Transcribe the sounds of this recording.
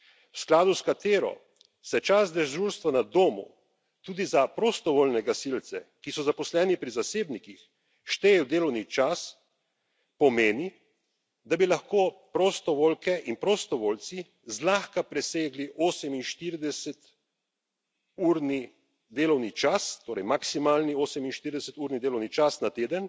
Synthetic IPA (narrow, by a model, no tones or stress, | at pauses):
wsklaːd̪uskat̪eːɾɔ̰ | sɛt͡ʃasd̪ɛʒʒulst̪ʋanad̪oːmṵ | t̪uːd̪izapɾɔst̪ɔʋoːlnɛɡasilt̪sɛkisɔzapɔslɛːnipɾizaseːbnikix | ʃt̪eːjɛwd̪eːlɔwnit͡ʃas | pɔmeːni | d̪abilaxkoːpɾɔst̪ɔʋoːlkɛʔinpɾɔst̪ɔʋolt̪si | zlaːxkapɾɛseːɡliʔoːsɛminʃt̪iɾd̪ɛsɛt̪ | uːɾni | d̪eːlɔwnit͡ʃast̪oːɾɛjmaksimaːlnioːsɛminʃt̪iɾid̪ɛsɛt̪uːɾnid̪eːlɔwnit͡ʃasnat̪eːd̪ən